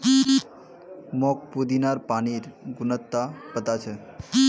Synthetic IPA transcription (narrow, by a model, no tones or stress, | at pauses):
mɔk̚pud̪inaɾpaniɾɡʊnət̪ːapət̪at͡ʃʰe